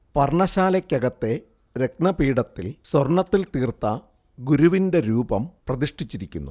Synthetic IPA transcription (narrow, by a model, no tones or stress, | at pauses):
pɐrɳɐɕaːlɐkʲːɐɡɐt̪ːe̞ | ɾek̚nɐpiːɽɐt̪ːḭlsworɳɐt̪ːilt̪iːrt̪ːɐ | ɡuɾuʋinde̞ɾuːbɐmprɐðiʂʈit͡ɕːiɾikʲːunːu